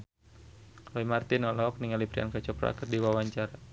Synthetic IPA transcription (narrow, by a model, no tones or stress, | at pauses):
kloimart̪inɔlɔk̚niŋalipɾia̰nkat͡ʃɔpɾa̰kərdiwawaɲt͡ʃaɾa